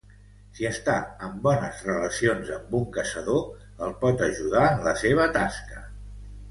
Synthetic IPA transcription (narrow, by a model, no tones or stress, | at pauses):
siəst̪aəmbɔnəzrələsionzəmbuŋkəsəðo | əlˠpɔt̪əʒuð̞aənləseβ̞ət̪askə